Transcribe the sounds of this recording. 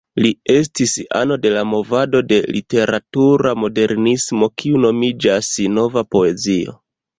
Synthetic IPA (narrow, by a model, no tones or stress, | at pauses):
lie̞s̬tisa̰no̞de̞lamo̞vado̞de̞lḭte̞ɾatuɾamo̞de̞ɾnismo̞kʰiuno̞mid͡ʒasno̞vapo̞e̞zio̞̰